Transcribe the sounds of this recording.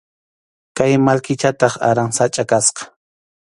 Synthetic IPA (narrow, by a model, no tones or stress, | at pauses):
kajmalkɪt͡ʃat̪ɑχa̰ɾaŋsat͡ʃʼakasqɑ̥